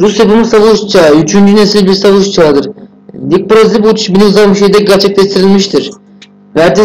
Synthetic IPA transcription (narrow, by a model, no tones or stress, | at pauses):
ɾusjepɯmɯsavɯʃt͡ʃʰayt͡ʃʰynd͡ʒynesilʲbiɾsavɯʃt͡ʃʰad̪ɯɾ | lʲik̚pɾozʲibut͡ʃ̪ʰʃbinizalˠmiʃejd̪ɛɟæɾt͡ʃʰɛclʲɛʃt̪ʰiɾilʲmiʃt̪ʰiɾ̥ | væɾd̪i